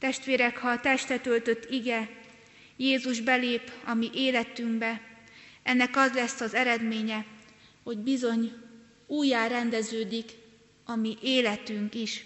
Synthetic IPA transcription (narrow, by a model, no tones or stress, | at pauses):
t̪ɛʃt̪ʋeːɾɛkhɒːt̪ɛʃt̪ɛt̪ø̞lt̪ø̞t̪ːiɡɛ | jeːzuʒbɛleːpɒmiʔeːlɛt̪yŋɡbɛ | ɛnːɛkɒzlɛsːɒzɛɾɛd̪meːɲɛho̞ɟbizo̞ɲ | uːjːaːɾɛnd̪ɛzøːd̪ik | ɒmiʔeːlɛt̪yŋkiʃ